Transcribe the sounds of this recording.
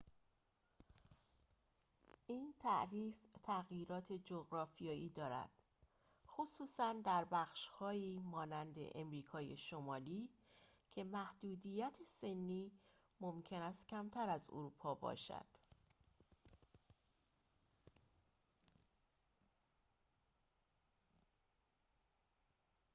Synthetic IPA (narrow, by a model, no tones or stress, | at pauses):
ʔiːnt̪ʰæʔɾiːft̪ʰæɣjiːɾɒːt̪ʰe̞d͡ʒoɣɾɒːfijɒːʔiːd̪ɒːɾæ̰d̪̥ | xosuːsænd̪æɾbæxʃhɒːiːmɒːnænd̪e̞̰ʔemɾiːkʰɒːjḛʃomɒːliːcʰe̞mæhd̪̥uːd̪ijæt̪ʰese̞nːiː | momcʰe̞næst̪cʰæmt̪ʰæɾæzo̰ɾuːpʰɒːbɒ̰ːʃæ̰d̪̥